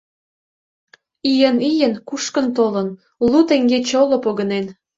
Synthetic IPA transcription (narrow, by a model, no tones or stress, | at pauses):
ijənijənkuʃkə̆nt̪olən | lut̪eŋɡet͡ɕolopoɣənen